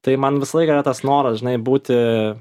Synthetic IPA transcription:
t̪ɐɪmɐnʋʲɪsɐlˠɐɪkɐɾɐt̪ɐsnoːɾɐsʒʲɪnɐɪbuːt̪ʲɪ

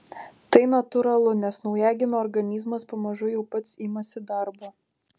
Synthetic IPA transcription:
t̪ɐɪnɐt̪ʊɾɐlˠʊnʲɛsnɒʊjæːɡʲɪnoːɾɡɐnʲiːzmɐspɐmɐʒʊjɛʊpɐt̪sɪmɐsʲɪd̪ɐɾbo

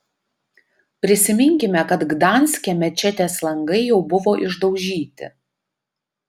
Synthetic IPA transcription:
pʲɾʲɪsʲɪmʲɪŋʲkʲɪmʲɛkɐt̪ɡd̪ɑˑnʲsʲkʲemʲɛt͡ʃʲɛt̪ʲeːslˠɐŋɡɐɪjɛʊbʊʋoːʔɪʒd̪ɒʊʒʲiːt̪ʲɪ̰

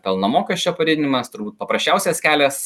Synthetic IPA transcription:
pʲɛlˠnoːmoːkʲɛʃʲt͡ʃʲoːpɐɾʲɪːd̪ʲɪnʲɪmɐst̪ʊɾbuːt̪̚pɐpɾɐsʲt͡ʃʲɛˑʊsʲɛskʲæːlʲɛs

